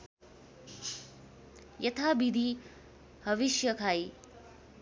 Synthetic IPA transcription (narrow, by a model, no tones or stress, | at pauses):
jet̪ʰabid̪ʱi | hʌʋiʃjʌkʰaj